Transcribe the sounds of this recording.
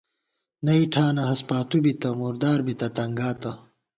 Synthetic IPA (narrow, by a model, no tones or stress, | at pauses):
nɐiʈʰaːnɐɦɐspaːt̪ubit̪ɐmuːɾd̪aːɾbit̪ɐt̪ɐŋɡaːt̪ɐ